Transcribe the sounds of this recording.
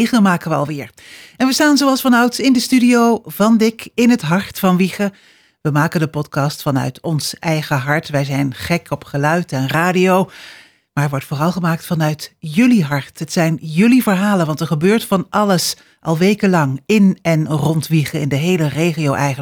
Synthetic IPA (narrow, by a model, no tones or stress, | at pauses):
χəmaːkəʋəɑ̰lˠʋɪːɹ | ɛnʋəstaːnzowɑlˠsfɑnœɥtɪndəstydiowvɑndɪkɪnɦətɦɑɹtfɑnʋiχə | ʋəmaːkəndəpɔtkɑstfɑnœ̰ɥtɔnsʔɛjχəɦɑɹtʋɛjzɛjnχɛkɔpχəlœɥtɛnraːdijow | maːɹɛɹʋɔɹtfʊːrɑlˠχəmaːk̚tfɑnœɥtjɵliɦɑɹtɦətsɛjnjɵlivəɹɦaːlənʋɑntɛɹχəbøːɹtfɑnʔɑləs | ʔɑlˠʋejkəlɑŋɪnɛnrɔntʋiχəɪndəɦejlərejχijowʔɛjə